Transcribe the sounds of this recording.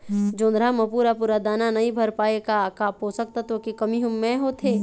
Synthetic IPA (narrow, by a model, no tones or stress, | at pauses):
d͡ʒõːnd̪ɾamɐ̃puːɾapuːɾad̪aːnanɐɦĩbʱɐɾpaːekakaːpɦosək̚t̪at̪okikəmiɦʊmːẽɦot̪ʰeː